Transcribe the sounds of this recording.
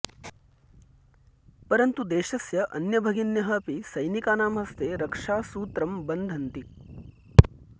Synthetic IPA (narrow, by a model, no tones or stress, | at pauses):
pɐɾɐnt̪ud̪eːʃɐsjɐʔɐnjɐbʱɐɡinjɐɦɐpisɐjnikaːnaːmɦɐst̪eːɾɐkʂaːsuːt̪ɾɐmbɐnd̪ʱɐnt̪i